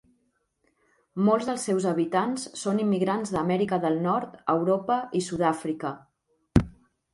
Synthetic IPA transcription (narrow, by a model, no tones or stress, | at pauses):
molˠzðəlˠsːɛwzəβit̪ansːonimːiɣɾanzðəmɛɾikəðəlˠnɔɾt̪əwɾopəʔisuðafɾikə